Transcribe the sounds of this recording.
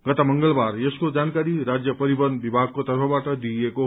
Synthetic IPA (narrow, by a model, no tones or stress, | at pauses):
ɡ̥ʌt̪amʌŋɡʌlbarjeskod͡zankaɾiɾad͡zjʌpʌɾibʌnbibʱaɡ̚kot̪ʌrpʰʌbaʈʌd̪ieko